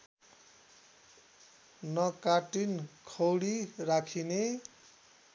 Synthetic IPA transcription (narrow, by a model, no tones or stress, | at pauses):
nʌkaʈinkʰʌwɽirakʰine